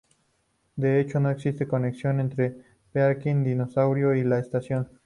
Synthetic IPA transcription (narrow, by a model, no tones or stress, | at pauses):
d̪e̞et͡ʃo̞no̞eksist̪e̞ko̞neksjo̞ne̞nt̪ɾe̞ | peaɾkind̪ino̞sawɾjo̞ilaest̪asjo̞n